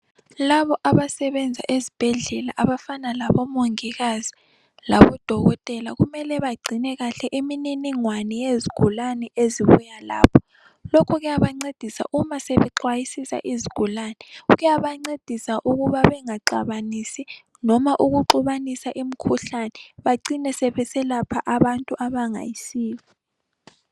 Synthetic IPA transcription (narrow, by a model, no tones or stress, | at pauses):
laβɔʔaβasɛβɛnd͡zʱa̰ʔezib̥ʱɛɮɛlaʔaβafanalaβɔmoŋiɣazi | laβɔd̥ʱɔɣɔtʼɛlaɣumɛlɛβaɡ͡ǀʱinɛɣaɬɛʔimininiŋwanɛjeziɡ̥ʱulanɛʔeziβṵjala̰ːpʰɔ̥ | lɔkʰɔɣɛjaβaŋ͡ǀed̥ʱisa̰ʔumaseβɛǁwajisisa̰ʔiziɡ̥ʱulanɛɣujaβaŋ͡ǀed̥ʱisaʔuɣuβaβɛŋaǀa̰βanisi | nɔmaʔuɣuǃuβanisaʔim̩kʰuɬanɛβaǀinɛsɛβɛsɛlapʰaʔaβantʼuʔaβaŋa̰jisiːli